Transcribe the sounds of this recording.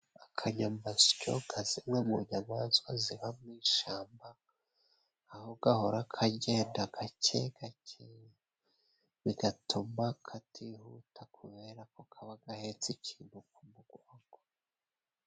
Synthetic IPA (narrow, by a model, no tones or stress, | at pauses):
akʰaɲamazi̥co̰ɡazimŋemuɲamaːnzwaziβamŋiːʃaːmba | hoɡ̥aho̞ɾakʰaɟe̞ːndaɡ̥acḛɡ̥acʰej | βiɡatʰomakʰatʰihutʰakʰuβe̞ɾakokʰaβaɡahet͡sicʰiːn̥hukumuɡ̥waːŋɡo